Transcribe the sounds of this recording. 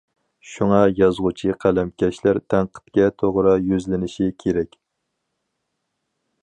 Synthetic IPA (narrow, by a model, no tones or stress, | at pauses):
ʃuŋɑjɑzʁʊt͡ʃʰiqʰælɛmkʲʰɛʃlæɾt̪ʰæŋqʰə̥t̪̚kʲɛt̪ʰoʁɾɑjyzlɪnɪʃikʲʰeɾɛkʲ